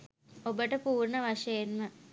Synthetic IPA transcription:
obəʈəpuːrɳəʋaʂɐjenmə

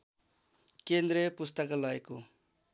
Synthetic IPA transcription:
kend̪ɾepust̪əkalʌeko

